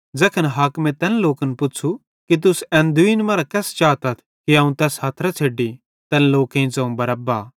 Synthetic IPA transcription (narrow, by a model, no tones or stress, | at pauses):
d͡zɐkʰənɦaːkmɛ̃t̪ɛnloːkənpʊt͡ʃʰu | kit̪̬ʊsɛ̃ːnd̪uiːnmɐːɾakɛːst͡ʃaːt̪ɐt̪ʰ | kiɐːũt̪ɛːsɦaːt̪ʰɾat͡ʃʰeːɖi | t̪ɛnloːkẽĩzɐ̃ũbɐɾɐbaː